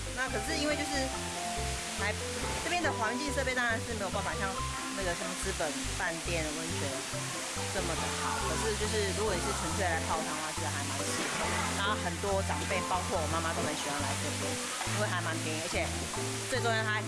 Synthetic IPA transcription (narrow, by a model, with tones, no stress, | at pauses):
na˥˩kʰɤ˨˩ʂ̬ɻ̩˥˧i˥nwe˥˧ɪt͡ɕo˥˧ʊʂ̬ɻ̩˥˩ | xa˧˥ɪ | ʈ͡ʂɤ˥˧˩pjɛ˥nd̪ə˨xwa˧˥nt͡ɕi˥˧ŋʂɤ˥˧pje˥˧t̪ɑ˥ɻa˧˦nʂɻ̩˥˩me˥ɪ˨˩p̬a˥˩n˩fa˨˩ɕjɑ˥˧ŋ | na˥˩ɡə˩ʂə˥ŋt͡sɹ̩˥pə˨˩n | pa˥˧nt̪jɛ˥˩nd̪ə˩wə˧˥nt͡ɕʰɥɛ˧˥n | ʈ͡ʂə˥˩mə˩d̪ə˩xɑ˨˩˦ʊkʰɤ˨˩ʂɻ̩˥˧t͡ɕjo˥˧ʊʂɻ̩˥˩ɻu˧˥kwɔ˧˩ni˨˩ʂɻ̩˥˩ʈ͡ʂʰə˧˥ŋʂʰwe˥˩ɪla˧˥ɪpʰɑ˥˧ʊt̪ʰɑ˥ŋwa˥˩ʂ̩˧˥˧a˧˥ɪma˧˥nt͡ɕʰi˥˩˥na˥˨xə˨˩nt̪wɔ˥ʈ͡ʂɑ˨˩ŋpe˥˩ɪpɑ˥ʊkʰwɔ˥˩wɔ˨˩˦ma˥ma˨˧t̪o˥ʊlə˧˥nɕy˨˩wa˥˩la˧˥ɪʂe˥˩pe˥˩˥ | we˥˩ɪxa˧˥ɪma˧˥nt̪jɛ˧˥i˥˩ə˧˥t͡ɕʰjɛ˨˩ | t͡swe˥˩ɪt̪o˥ŋɻə˧˥nʰa˧˥